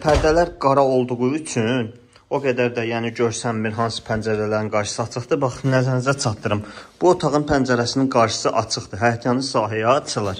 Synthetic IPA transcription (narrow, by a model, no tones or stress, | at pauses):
pʰæɾd̪ælæɾɡɑɾɑo̞lˠd̪uʁuyt͡ʃʰyn | o̞ɡæd̪æɾd̪æjæːniɟø̞ɾsæmːiɾɦɑnsɯ̥pʰænd͡ʒæɾælæɾinɡɑɾʃɯ̥sɯɑt͡ʃʰɯχd̪ɯbɑχnæzænd͡ʒæt͡ʃʰɑt̪d̪ɯɾɯmb̥uot̪ʰɑʁɯnpʰænd͡ʒæɾæsininɡɑɾʃɯ̥sɯʔɑt͡ʃʰɯχd̪ɯɦæjɑt̪ʰijɑnɯsɑːɦijɑt͡ʃʰɯlˠɑɾ